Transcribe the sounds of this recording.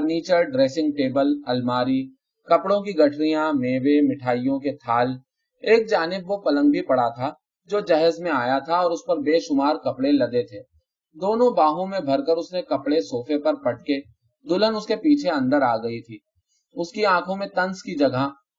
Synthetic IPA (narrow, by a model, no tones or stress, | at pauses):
ɾniːt͡ʃəɾɖɾeːsɪ̃ŋɡ̚ʈeːbəlɐlmaːɾi | kɐpɽõkiɡɐʈʰɾijãmeːʋemɪʈʰaːijõket̪ʰaːl | eːk̚d͡ʒaːnɪbʋopɐlə̃ŋɡbipɐɽat̪ʰa | d͡ʒoːd͡ʒɛɦəzmẽaːjat̪ʰaɔːɾʊspɐɾbeːʃʊmaːɾkɐpɽelɐd̪et̪ʰeː | d̪oːnõbaːɦõmẽbʱɐɾkəɾʊsnekɐpɽesoːfʰepɐɾpɐʈ̚ke | d̪ʊlənʊskepiːt͡ʃʰeɐ̃nd̪əɾaːɡɐit̪ʰiː | ʊskiãːkʰõmẽt̪ɐ̃nskid͡ʒɐɡʱa